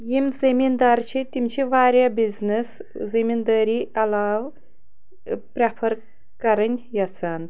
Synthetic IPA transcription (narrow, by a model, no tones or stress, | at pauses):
jimzɐmind̪aːɾt͡ʃʰit̪imt͡ʃʰiʋaːɾʲjabiznis | zɐmind̪aːɾiɐlaːw | pɾʲapʰɐɾ | kɐɾɐnʲjɐt͡sʰaːn